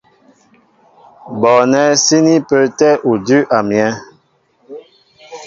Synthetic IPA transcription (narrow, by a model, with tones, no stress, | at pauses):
bɔ˨nɛ˦si˦ni˦pə˦tɛ˦ʔu˨dʉ˦ʔa˨mjɛ˦